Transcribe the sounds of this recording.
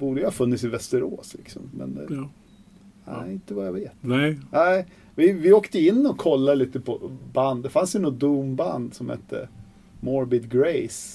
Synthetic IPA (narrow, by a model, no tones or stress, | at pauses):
b̥uːɖ̪əjahɑfɵnːɪt̪sɪvɛst̪əɾoːslɪksɔ̰mːɛ̰nd̪ɛ̰ | æ̰ɪɪnt̪əvajaveːt̪næɪ | vɪvɪoːkt̪əɪnːɔkʰːɔlːaliːt̪əpʰɔband̪d̪ɛfansjʉnɔt̪̚d̪uːmband̪sɔmhɛ̰t̪ʰːə̰ | mɔɾbɪd̪ɡɾeɪs